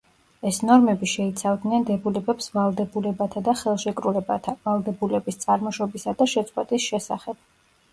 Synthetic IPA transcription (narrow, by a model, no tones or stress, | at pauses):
ɛsnɔɾmɛbiʃɛit̪sʰavd̪nɛnd̪ɛbulɛbɛpsvalˠd̪ɛbulɛbat̪ʰad̪aχɛlˠʃɛkʼɾulɛbt̪ʰavalˠd̪ɛbulɛbist̪sʼaɾmɔʃɔbisad̪aʃɛt̪sʼqʼwɛt̪ʼisʃɛsaχɛb̥̚